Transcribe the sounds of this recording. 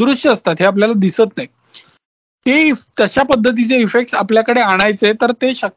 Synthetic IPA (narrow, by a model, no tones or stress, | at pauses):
ɾuʂʈəːst̪at̪ɦeap̬ljalad̪isət̪naj | t̪et̪jəɕapəd̪ʱːət̪̬it͡seifek̚ʈsapljakəɽeaɽ̃ajt͡set̪əɾt̪eɕək